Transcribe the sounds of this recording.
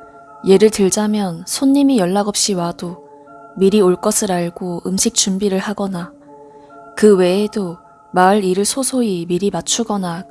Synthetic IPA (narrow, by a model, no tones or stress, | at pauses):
je̞ɾɯɭtɯɭd͡ʑamjʌnsʰoɲːimijʌɭːaɡʌp̚ɕ͈iwado | miɾioɭk͈ʌsʰɯɾaɭɡoɯmɕʰik̚t͡ɕumbiɾɯɭhaɡʌna | kɯwe̞ːdo | maɯɾiɾɯɭsʰosʰoimiɾimat͡ɕʰuɡʌnak